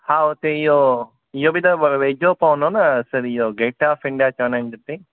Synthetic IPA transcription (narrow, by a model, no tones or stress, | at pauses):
haːot̪eijo | ijobid̪ɐʋed͡ʒoːpaːnonɐsɐɾijoɡeːʈaːfɪɳɖijat͡ʃɐːnɐ̃nd͡ʒɐt̪e